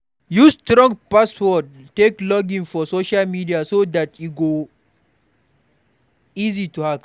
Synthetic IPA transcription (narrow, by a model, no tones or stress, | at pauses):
justɾɔ̃ŋpaswɔt̚ːeklɔɡĩnfɔsoʃalmidiasod̪atjuɡo | izituhak